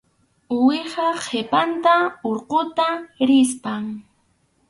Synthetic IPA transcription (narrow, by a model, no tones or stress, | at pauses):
ʊwɪχɑχʰepant̪aoɾqot̪aɾɪspaŋ